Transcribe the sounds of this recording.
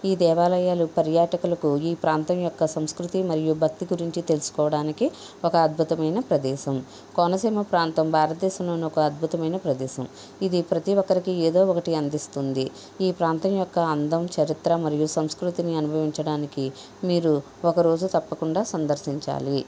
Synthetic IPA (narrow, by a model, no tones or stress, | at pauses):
iːd̪ɛːʋaːlɐjaːlupɐɾjaːʈɐkulɐkuiːpɾaːnt̪ɐmjɔkːɐsɐmskɾut̪imɐɾijubʱɐk̚t̪iɡuɾiɲt͡ʃit̪e̞lusu̥kɔːʋɐɽaːniki | ɔkɐːd̪̚bʱut̪ɐmɐjnɐpɾɐd̪ɛːʃɐm | konɐsiːmɐpɾaːnt̪ɐmbʱaːɾɐt̪̚d̪ɛːʃɐmloːniɔkɐɐd̪̚bʱut̪ɐmɐjnɐpɾɐd̪ɛːʃɐm | id̪ipɾɐt̪iʋɔkːɐɾikieːd̪o̞ːɔkɐʈiɐnd̪ist̪und̪i | iːpɾaːnt̪ɐmjɔkːɐɐnd̪ɐmt͡ʃɐɾit̪ɾɐmɐɾijusɐmskɾut̪iniɐnubʱɐʋiɲt͡ʃɐɽaːniki | miːɾu | ɔkɐɾo̞ːd͡ʒut̪ɐpːɐkuɳɖaːsɐnd̪ɐɾsiɲt͡ʃa̰ːli